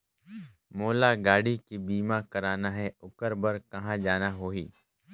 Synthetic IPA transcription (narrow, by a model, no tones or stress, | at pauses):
moːlaɡaːɽikibiːmãkɐɾaːnaɦɛʊkəɾbəɾkɐɦãd͡ʒaːnaɦoːiː